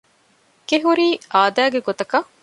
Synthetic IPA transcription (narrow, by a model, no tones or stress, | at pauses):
keɦuɾiːaːd̪æːɡeɡot̪ɐkɐ